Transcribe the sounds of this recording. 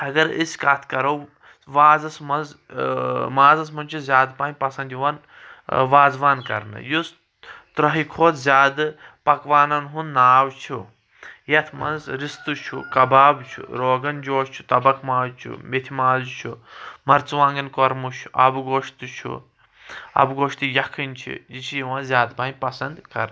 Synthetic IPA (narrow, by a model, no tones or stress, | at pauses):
ɐɡɐɾḭsʲkɐt̪ʰkɐɾɐw | ʋaːzɐsmɐnz | maːzɐs̬mɐnt͡ʃʰuzʲaːd̪paːnʲpɐsɐ̃nd̪jiʋɐn | ʋaːzʋaːnkɐ̰ɾnɨ̰jus | t̪ɾɐɦikʰoːt̪zʲjaːd̪ɨpɐkʋaːnɐnɦunːaːwt͡ʃʰu | jɐt̪ʰmɐ̰nzsɾist̪ut͡ʃʰṵkɐbaːbt͡ʃʰṵɾoːɡɐnd͡ʒoːʃt͡ʃʰu̥t̪ɐbɐkmaːzt͡ʃʰṵmet̪ʰimaːzut͡ʃʰumɐɾt͡sʋãːŋɡɐnkoɾmut͡ʃʰuʔɐ̰bɡoːʃt̪ut͡ʃʰṵ | ɐ̰bɡoːʃt̪ijɐkʰinʲt͡ʃʰḭjit͡ʃʰijiʋɐnzʲjaːd̪paːnʲpɐsɐnd̪kɐɾn